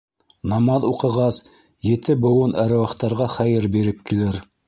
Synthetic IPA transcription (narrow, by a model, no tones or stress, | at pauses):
nɑmɑðuqɤ̆ʁɑs | jɘ̆t̪ɘbɤ̆wɤnʔæɾæ̆wɑχt̪ɑɾʁɑχæjɘɾbiɾɘp̚kilɘɾ